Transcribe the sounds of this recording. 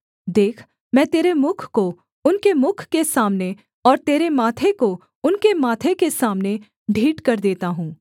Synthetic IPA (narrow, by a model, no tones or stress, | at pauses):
d̪eːkʰ | mɛ̃ːt̪eːɾemʊkʰko | ʊnkemʊkʰkesaːmne | ɔːɾt̪eːɾemaːt̪ʰeko | ʊnkemaːt̪ʰekesaːmne | ɖʱiːʈkɐɾd̪eːt̪aɦũː